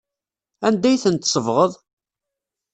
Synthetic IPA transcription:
ænd̪æjθənt̪sˤəvʁəðˤ

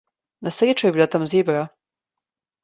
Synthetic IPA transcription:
nasɾʲet͡ʃɔjɛbilat̪amzeːbɾa

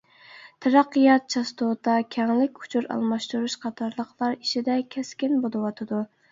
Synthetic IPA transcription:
t̪ʰɑɾɑqːəjɑt̪̚t͡ʃʰɑst̪ot̪ɑkʲʰɛŋlɪkʲʰu̥t͡ʃʰuɾɑ̰lˠmɑʃt̪uɾuʃqʰɑt̪ʰɑɾlˠəqʰlˠɑɾiʃid̪ɛkʲʰɛskʲinbolˠɨwɑt̪ʰɨd̪u

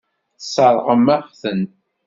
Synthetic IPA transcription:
θsˤɑɾˤʁəmːæʁθən

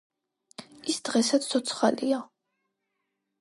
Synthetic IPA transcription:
isd̪̥ʁɛsat̪sʰt̪ʰɔt̪sʰχalḭa

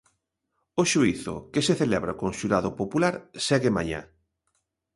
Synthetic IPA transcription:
oʃuiθʊ̰keseθelɛβɾakõŋʃuɾaðopopulaɾsɛɣema̰ɲa̰

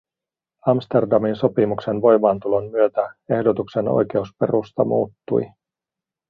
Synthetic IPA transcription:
ɑmst̪e̞rdɑminso̞pimukse̞nʋo̞jmɑːnt̪ulo̞nmyøt̪æe̞hdo̞t̪ukse̞no̞̰jke̞uspe̞̰rust̪ɑmuːt̪ːṵj

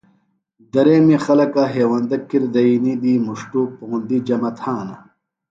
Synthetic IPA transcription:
d̪ɐɾeːmixɐlɐkaɦeːwɐnd̪ɐkːiɾd̪ɐinid̪imuʂʈupuɣund̪id͡ʑɐmɐt̪ʰaːnɐ

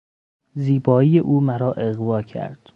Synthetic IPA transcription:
ziːbɒːiːjeʔuːmæɾɒːʔeɣvɒːcʰæ̰ɾd̪̥

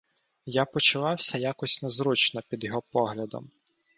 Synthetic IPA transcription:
japɔt͡ʃʊʋɑwsʲɐjakɔsʲnɛzɾut͡ʃnɔpʲid̪jɔɦɔpɔɦlʲɐd̪ɔ̰m

